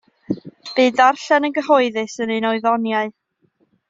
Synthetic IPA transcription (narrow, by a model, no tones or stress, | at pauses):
b̥ɨːdarɬɛnənɡəɦɔɨðɨsənejnɔɨðɔnjaɨ